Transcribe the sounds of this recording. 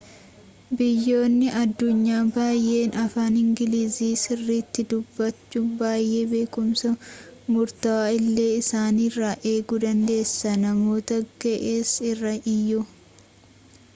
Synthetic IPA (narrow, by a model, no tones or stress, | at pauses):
bɪjːo̞ːnːɪʔɐd̪ːʊɲːaːbaːjʔe̞ːnɐfaːnɪŋɡɪliːziːsɪrːiːt̪ːɪd̪ʊbːɐt͡ʃːʊbaːjːʔe̞ːbe̞ːkʊmsɐmʊɾt̪ɐwaːɪlːe̞ːɪsaːnirːaʔe̞ːɡud̪ɐnd̪e̞ːsːɐnɐmo̞ːt̪ɐɡɛʔeːsɪrːɐʔɪjːʊ